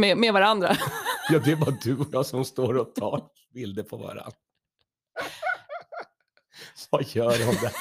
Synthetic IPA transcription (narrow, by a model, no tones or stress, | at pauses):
mɛmɛvaɾand̪ɾa̰jɑːd̪ɛɛbɑːd̪ɵɔjɑːɡsɔmst̪oːɾɔt̪ʰɑ̰ː | bɪld̪əpʰɔva̰ɾa̰n | sajœːɾɔmd̪ɛ